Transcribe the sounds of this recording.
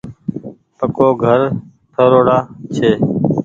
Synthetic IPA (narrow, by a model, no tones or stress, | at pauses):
pəkoːɡʱəɾ | tʰəɾoːɽaːt͡ʃʰeː